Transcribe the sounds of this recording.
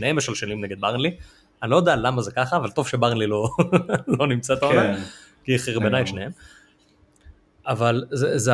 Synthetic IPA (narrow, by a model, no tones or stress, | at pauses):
nehemjeʃalʃenimneɡe̞d̪̚baʁnli | anilo̞jod̪aalamazekaχaːvalt̪o̞v̥ʃebaʁnlilo̞lo̞nimt͡sat̪aonakiaχiʁbenajʃnehem | avalzeze